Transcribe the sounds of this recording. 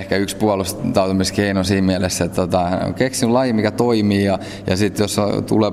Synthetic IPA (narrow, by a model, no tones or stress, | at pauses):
hkæykspuɑlust̪ɑut̪umiskeinosiːmmiælesːet̪t̪ot̪ɑ̰keksinylɑjimikæt̪oimiːjɑ | jɑ̰sit̪josot̪ṵleː